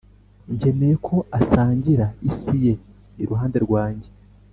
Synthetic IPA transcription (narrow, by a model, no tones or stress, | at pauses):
ɲɟe̞ne̞jekʰo̞asaːɲɟiɾaisije̞ | iɾuɦaːnde̞ɾɡwaːɲɟe